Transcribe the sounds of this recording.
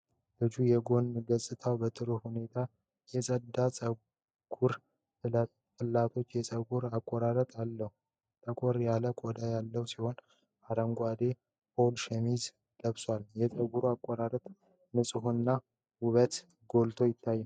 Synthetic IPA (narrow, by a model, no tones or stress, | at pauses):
lɨd͡ʒujɛɡo̞nːɡəsʼɨt̪ʰawbət̪ʼɨɾuhune̞t̪ʰa | jɛsʼəd̪ːat͡sʼə | ɡ̥uɾ | fɨlːat̪ʰo̞t͡ʃːjɛsʼəɡuɾakʼːɔɾaɾət̪ʼalːəhu | t̪ʼəkʼoɾjaləkʼɔd̪ajalːəwusiho̞n | aɾəŋɡʷad̪e̞ | po̞lʃɛmiz | d̪əβswaljɛsʼəɡuɾuakʼːɔɾaɾət̪ʼ | mɨsʼɨɦunːa | wuβət̪ | ɡo̞lt̪ʰo̞jɪt̪ʰːajːɛn